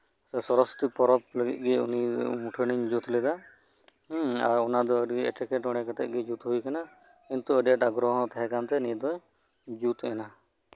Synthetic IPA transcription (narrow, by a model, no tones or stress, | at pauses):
ɛsɔɾɔst̪ipɔɾɔp̚ləɡḭt̪̚ˀɡɛṵnimuʈʰəniɲd͡ʒut̪lɛd̪a | aɾɔnad̪ɔəɾiɛ̰ʈikɛʈɔɽ̃ɛkat̪ɛʔ̚ɡɛd͡ʒut̪ɦujkana | int̪uəɾaʈaɡɾɔɦɔ̃t̪aɦɛ̃kant̪ɛnid̪ɔj | d͡ʒut̪ɛna